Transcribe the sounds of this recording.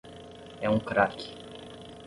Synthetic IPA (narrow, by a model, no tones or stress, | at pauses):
ɛũkɾakɪ̥